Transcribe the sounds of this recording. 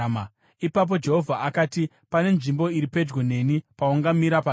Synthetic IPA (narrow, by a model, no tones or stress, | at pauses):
ipap̬o̞d͡ʒe̞ɦo̞vʱaʔakaːti | pane̞nʐimbo̞iɾipe̞d͡ʒɡwone̞nipawuŋɡamiɾapa